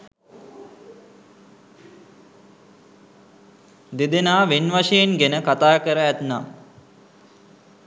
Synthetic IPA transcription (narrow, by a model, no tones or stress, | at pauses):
d̪ed̪enaːʋenʋaʂejenɡenəkat̪aːkəɾəæt̪nam